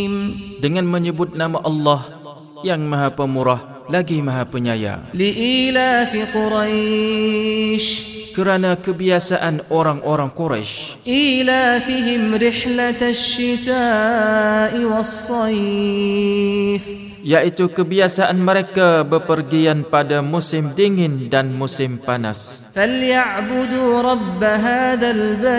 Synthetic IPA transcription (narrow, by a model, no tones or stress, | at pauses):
mdəŋãnməɲəbʊt̪̚namaʔɑlːɑh | jaŋmãɦapəmuɾah | laɡimaɦapəɲa̰ja̰lɪʔiːlaːfiqʊɾaj | ʃkəɾanakəbiasaʔanoɾaŋʔoɾaŋkoɾa̰ʃ | ʔiːlaːfɪɦɪmɾɪħlaʃːɪt̪aː | ʔɪwɑsˤːɑi | f | jaʔit̪ukəbiasaʔanməɾekabəpərɡianpadamusɪmdiŋɪndanmusɪmpana̰s | faljaʕbʊd̪uːɾˤɑbːaɦaːðalba